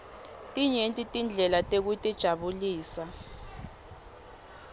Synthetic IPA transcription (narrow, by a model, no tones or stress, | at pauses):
tʼiɲentʼitʼind͡ɮʱɛlatʼek̬utʼid̥ʒ̥ʱaɓuliːsa